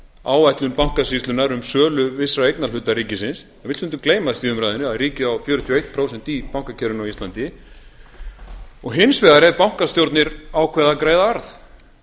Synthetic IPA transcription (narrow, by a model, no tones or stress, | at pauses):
aːwajt̪lʏmpawŋ̥kasist̪ʏnaɾʏmsœːlʏvɪsɾaejknal̥ʏt̪aɾiːcɪsɪns | ɛvɪlsʏnt̪ʏmkleːjmasiːðʏmɾajðɪnʏaðriːcɪawfjœːɾʏt̪ʰiɔejht̪̚pʰɾowsɛn̥t̪ipawŋ̥kacʰɛɾʏnawist̪lant̪ɪ | ɔɣɦɪnsvɛðaɾɛvpawŋ̥kast̪jowɾt̪nɪɾawkʰvɛːðakɾeːjðaaɾθ